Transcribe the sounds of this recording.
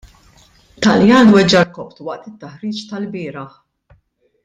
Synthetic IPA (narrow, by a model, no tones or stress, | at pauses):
t̪ɐljɐːnwɛd͡ʒɐɾkɔpt̪wɐʔt̪ɪt̪ːɐħɾiːt͡ʃt̪ɐlbɪːɾɐħ